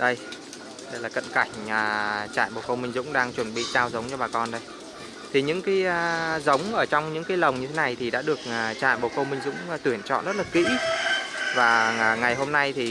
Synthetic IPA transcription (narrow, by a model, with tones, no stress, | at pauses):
ɗə˧j | ɗə˧jlaː˨˩kə̰˧˨nka˧˩jŋ̟əː˨˩t͡ɕa̰ː˧˨jɓo˨˩kə˧wŋ͡mmï˧ŋ̟zʊ̰˧˥ŋ͡mɗaː˧ŋt͡ɕwə˧˩nɓḭ˧˨zaː˧wzə˨˦wŋ͡mt͡ɕɔ˧˩ɓaː˨˩kɔ˧nɗə˧j | t̪ʰi˨˩ɲɨ̰˧˥ŋkaː˨˦jə˧zə˨˦wŋ͡mʔəː˧˩t͡ɕɔ˧wŋ͡mɲɨ̰˧˥ŋkaː˨˦jlə˨˩wŋ͡mɲɨ˧t̪ʰe˨˦na˨˩jt̪ʰi˨˩ɗa̰ː˧˥ɗɨ˨˩ək̚ːt͡ɕa̰ː˧˨jɓo˨˩kə˧wmï˧ŋ̟zʊ̰˧˥ŋ͡mt̪wənt͡ɕɔ̰˧˨nzə˦˥t̚laː˨˩kḭ˧˥ | vaː˨˩˨ŋa˨˩jɦo˧mna˧jt̪ʰi˨˩